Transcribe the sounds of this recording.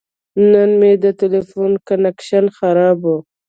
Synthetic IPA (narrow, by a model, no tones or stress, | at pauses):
nənmed̪ətɪlefunkanekʃanxaɾɑbu